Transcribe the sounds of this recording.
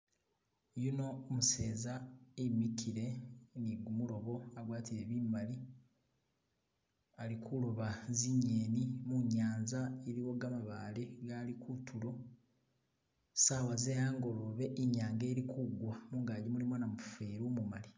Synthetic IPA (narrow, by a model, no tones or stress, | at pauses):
juno̞ːmuse̞ːzaemikʰiɾe̞niɡumuɾo̞βo̞aɡwaːtiɾe̞βimali | alikʰuloβaziɲeːnimuɲaːnzaeɾiwo̞ɡamaβaːleɡalikʰutʰuɾo̞ | saːwazejaːŋɡo̞loβe̞ʔiɲaːŋɡe̞ːɾikʰuɡwanuːŋɡaːɟimulimonamufeːɾoːmumali